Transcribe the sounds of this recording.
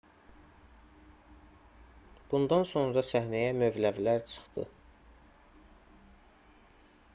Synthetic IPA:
b̥und̪ɑnso̞nɾɑsæhnæjæmø̞vlævlæɾt͡ʃʰɯ̥χt̪ɯ̰

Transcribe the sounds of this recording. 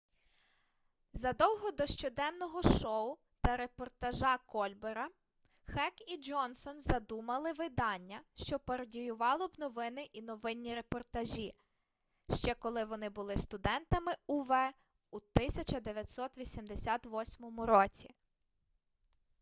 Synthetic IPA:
zɐd̪ɔwɦɔd̪ɔʃt͡ʃɔd̪ɛnːɔɦɔʃɔʊ | t̪ɐɾepɔrt̪ɐʒɑkɔlʲbeɾɐ | xɛkid͡ʒɔnsɔnzɐd̪umɐlˠɪʋɪd̪ɑnʲːɐʃt͡ʃɔpɐɾɔdʲijʊʋɑlˠɔbnɔʋɪnɪʔinɔʋɪnʲːiɾepɔrt̪ɐʒʲi | ʃt͡ʃɛkɔlˠɪʋɔnɪbʊlˠɪst̪ʊd̪ɛnt̪ɐmɪʊʋɛ | ut̪ɪsʲɐt͡ʃɐd̪eʋʲjɐt̪ʲsɔt̪ʋʲisʲimd̪esʲat̪ʋɔsʲmɔmʊɾɔt͡sʲi

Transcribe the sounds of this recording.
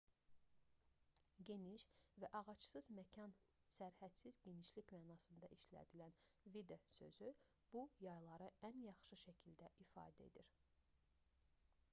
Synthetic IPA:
ɟe̞niʃvæʔɑʁɑt͡ʃsɯzmæcʰɑn | sæɾhæt̪sizɟe̞niʃlicmæːnɑsɯnd̪ɑʔiʃlæ̰d̪ilæn | vid̪esø̞̰zy | b̥ujɑjlˠɑɾɯænjɑχʃɯʃæcʰild̪æʔifɑ̰ːd̪æe̞̰d̪iɾ

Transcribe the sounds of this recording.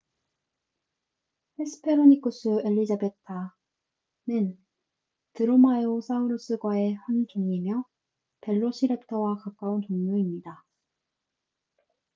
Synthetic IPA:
pʰes͈ʰɯ̥pʰe̞ɾonik͈us͈ʰɯe̞ʎːid͡ʑabe̞tʰa | nɯn | tɯɾomajos͈ʰauɾɯs͈ɯɡwae̞ɸwankʰeŋimjʌ | pe̞ɭːoɕʰiɾe̞p̚tʰʌwakak͈auntoŋɲuimɲida

